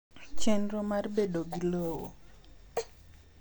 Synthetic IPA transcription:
t͡ʃenɾomarbedoɡilowo

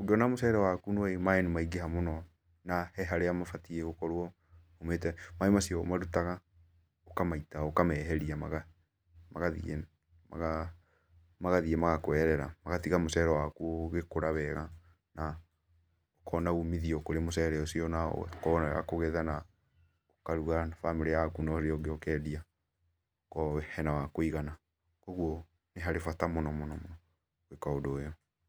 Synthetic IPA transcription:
oɡeɔnamosɛɾɛwakunoɔemaɛnumaiɡehamonɔ | nahɛɦaɾeamafatiɛɣokɔɾwɔ | ometɛmaemasiɔo̰maɾutaɣa | okamaitaokamɛːɦɛɾiamaɣa | maɣaðḭḛ | maɣa | maɣaðiemaɣakwɛɾɛɾa̰maɣatiɣamosɛɾɛwakuoɣekoɾaβɛɣa | na | okʰɔnaumiðiɔkoɾemosɛɾɛɔsiɔna̰kɔnɛɣa̰koɣɛðana | okaɾuɣaafameɾeakunɔɾeɔɡeokɛːdia | kɔhɛnawakoiɣana | koɣwɔ | neɦaɾefatamonɔmonɔmonɔ | ekaodojɔ

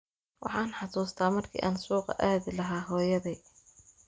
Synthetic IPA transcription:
wɑ̰ħɑːnħɑsuːst̪ʰaːmɐrkʰḭːʔaːnsuːqɑ̰ʔaːðɪlɐɦaːɦɔːjɐðɛj

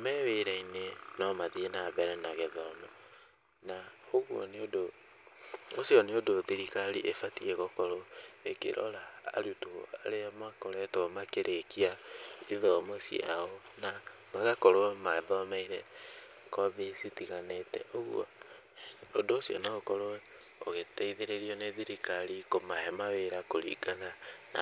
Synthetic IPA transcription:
amɛweɾɛinenɔmaðienabɛɾɛnaɣeðɔmɔ | naoɣwɔ̰neodo | osjɔneodoðeɾikaliʔefatieɣɔkɔɾɔekḛɾʔɔ̰la̰ːɾutoa̰leamakɔɾɛtɔmakeɾʔekiaiðɔmɔsḭa̰ɔ | na | maɣakɔɾoɛmaɛbaamaiɾɛ | kɔðesitiɣanetɛ̰ʔoɣw̰ɔ̰ | odoːsiɔ̰naɣokɔɾoɛ | oɣetɛiðeɾeɾiɔneðiɾikalikomahɛmaweɾakoɾḭɡanana̰

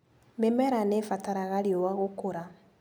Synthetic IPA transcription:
memɛɾanefataɾaɣaliowaɣokoɾa

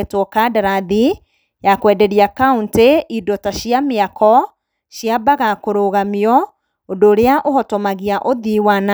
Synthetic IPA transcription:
twɔkadaɾaði | jakwɛdɛɾiakaunteʔidɔtaɕiameakɔ | ʃjabaɣakoɾoɣamiɔ | odoːɾeaʔoɦɔtɔmaɣiaʔoðiwana

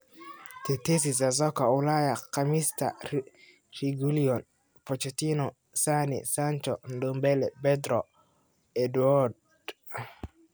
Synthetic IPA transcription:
t̪ɛt̪es̬is̬azɔkaulajaqamist̪a̰ | ɾiɡuliɔn | fɔt͡ʃɛt̪inɔ | sanḭsant͡ʃɔndɔmbɛlɛbɛd̪ɾɔ | ɛduɔɾd

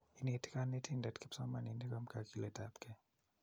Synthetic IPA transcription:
initi̥kanɛtʰindatkipsɔmaninikam̩kakilɛtapkɛ

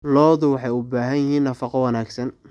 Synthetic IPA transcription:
lɔːðʊwɑħɑjʊbaːɦɐnjɐɦiːnːɐfɑqɔwɑnaːɡsɐn

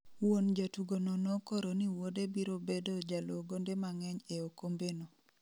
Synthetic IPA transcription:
wond͡ʒatuɡonɔnɔkoɾoniwodebiɾobedod͡ʒaloɡondemaŋɛɲeokombeno

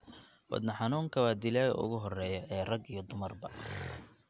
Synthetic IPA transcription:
wɑ̰d̪nɐħɑnuːŋkʰɐwɑːd̪ɪlaːɣɐ̰ʊ̰ɣʊɦɔrɛːjɐʔɛːrɐɡijɔd̪ʊmɐrbɐ

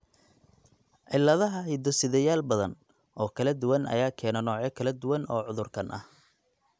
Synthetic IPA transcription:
ʔɪlːɐðɐɦɐhɪd̪ɔsɪðɛjaːlbɐðɐn | ʔɔːkʰɐlɐd̪ʊwɐnʔɐ̰jaːkʰɛːnɔnɔːʕɛkʰɐlɐd̪ʊwɐnɔːʕʊðʊrkʰɐnʔɐh

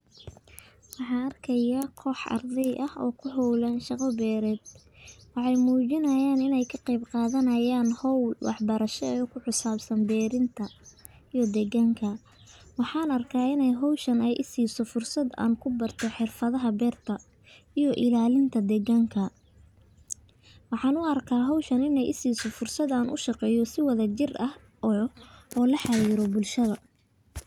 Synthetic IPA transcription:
wɑħɑːnɐrkʰɐjɐqʰɔːħʔɐ̰rd̪ɛjʔɐhɔ̰ːkʰʊɦɔwlaːnʃɑqɐbɛːɾɛːd̪̥̚ | wɑħɑjmuːt͡ʃɪnɐjaːnɪnɛjkʰɐqɑjbqɑːðɐnɐjaːnhɔwlwɑ̰ħbɐɾɐʃɛɛːkʰʊħʊsaːbsɐnbɛːɾɪnt̪ʰɐ | ijɔd̪ɛɡɐŋkʰɐ | wɑħɑːnɐrkʰaːɪnɛjɦɔwʃɐnɛjʔɪsiːsɔfʊrsɐd̪a̰ːnkʰʊbɐrt̪ʰɔħɪrfɐðɐɦɐbɛːrt̪ʰɐ | ijɔʔɪlaːlɪnt̪ʰɐd̪ɛɣɐŋkʰɐ | wɑħɑːnʊɐrkʰaːɦɔwʃɐnɪnɛjʔɪsiːsɔfʊrsɐd̪aːnʔʊ̰ʃɑqɛːjɔsɪwɐðɐt͡ʃɪrɐh | ɔʔɔːlɐħɑjɪɾɔbʊlʃɐðɐ

